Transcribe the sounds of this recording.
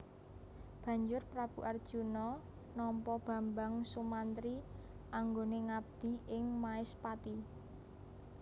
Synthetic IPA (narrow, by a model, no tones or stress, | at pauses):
b̥ä̤ɲd͡ʒʊrpɾab̥uʔard̥ʒ̥ṳnɔ | nɔmpɔb̥ä̤mbaŋsumant̪ɾiʔaŋɡoneŋab̚d̪̥i̤ɪŋmaɪspat̪i